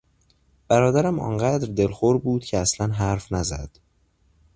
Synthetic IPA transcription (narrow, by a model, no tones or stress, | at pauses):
b̥æɾɒːd̪æɾæmɒ̰ːnɢæd̪ɾd̪e̞lxoɾbuːd̪̥cʰeæslænɦæɾfnæzæ̰d̪̥